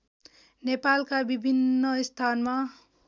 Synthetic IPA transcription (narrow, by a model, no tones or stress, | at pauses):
nepalkabibʱinːʌst̪ʰanma